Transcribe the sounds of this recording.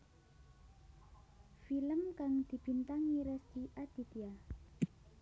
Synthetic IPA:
filəmkaŋd̪̥i̤b̥i̤nt̪aŋiɾɛst̪iʔad̪̥i̤t̪ia

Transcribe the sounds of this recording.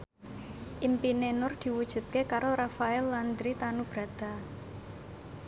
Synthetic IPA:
ʔimpinenʊrd̪̥i̤wud̥ʒ̥ṳt̪̚kekaɾorafaɛlːand̪ɾit̪anub̥ɾa̤d̪̥a̤

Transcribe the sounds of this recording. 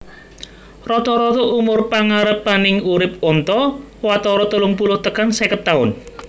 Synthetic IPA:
rɔt̪ɔɾɔt̪ɔʔumʊrpaŋaɾəpanɪŋuɾɪp̚ɔnt̪ɔ | wat̪ɔɾɔt̪ulʊŋpulʊht̪əkansɛkət̪aʊn

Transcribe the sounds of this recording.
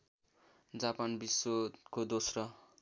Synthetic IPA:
d͡zapanbisːokod̪osrʌ

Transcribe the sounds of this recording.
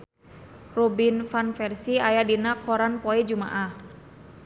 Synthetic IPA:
rɔbinfanfɛrsiajadinakʰɔɾanpɔɛd͡ʒuma̰ʔah

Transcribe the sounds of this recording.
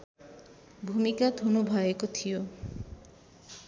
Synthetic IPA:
bʱumikad̪ʱunubʱajekot̪ʰijo

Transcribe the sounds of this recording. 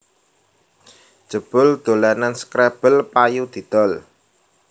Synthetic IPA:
d̥ʒ̥ə̤b̥ʊld̪̥o̤lananskɾɛb̥əlpajud̪̥i̤d̪̥ɔ̤l

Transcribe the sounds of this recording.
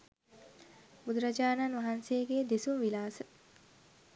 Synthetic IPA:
bud̪uɾad͡ʒaːnanʋaɦanseːɡeːd̪isumʋilaːsə

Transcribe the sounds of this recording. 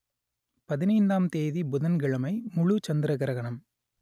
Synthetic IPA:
pɐðɪnɐɪnd̪aːmt̪eːðibʊðɐnɡɪɭɐmɐɪmʊɻut͡ʃɐnd̪ɪɾɐɣɐɾɐɣɐɳɐm

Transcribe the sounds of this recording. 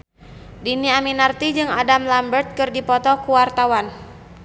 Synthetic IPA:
diniaminart̪id͡ʒɨŋadamlambərt̪̚kɨrdipɔt̪ɔkuwart̪awan

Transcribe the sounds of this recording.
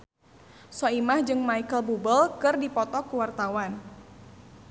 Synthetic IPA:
sɔimahd͡ʒɨŋmaikəlbubəlkɨrdipɔt̪ɔkuwart̪awan

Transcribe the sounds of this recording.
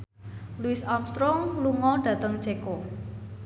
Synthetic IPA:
luɪsamst̪ɾɔŋluŋɔɖ̥ä̤t̪əŋt͡ʃeko

